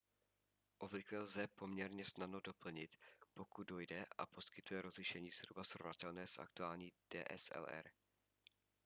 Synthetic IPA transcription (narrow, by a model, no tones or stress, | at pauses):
ʔovlɪklɛlzɛpo̞mɲɛɾɲɛsnadno̞do̞pl̩ɲɪt̪po̞kud̪̚do̞jdɛʔa̰po̞skɪt̪ujɛɾozlɪʃɛɲiːz̥ɦɾubasɾovnat̪ɛlnɛːsʔa̰k̚t̪uaːlɲiːd̥ɛ̰ːʔɛ̰sɛ̰lɛ̰ɾ